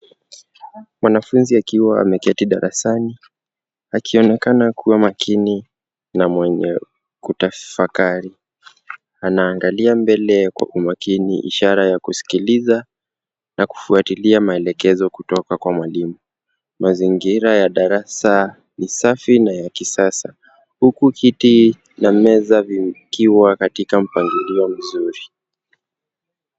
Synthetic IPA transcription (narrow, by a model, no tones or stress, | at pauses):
mwanafunziakiwaa̰mɛkɛtiɗa̰ɾasani | akiɔnɛkanakʰuwamakʰini | namwɛɲɛ̰ | kutafakaɾi | anaːŋɡaliambɛlɛkwa̰ʔumakinḭʔḭʃaɾajakusi̥kiliza | naku̥fuatiliamaɛlɛkɛzɔkutɔkakwamwalimu | maziŋɡiɾajaɗaɾasa | nisafinajakisasa | hukuhiti | namɛzavikiwakatikam̩paŋɡiliɔm̩zuɾi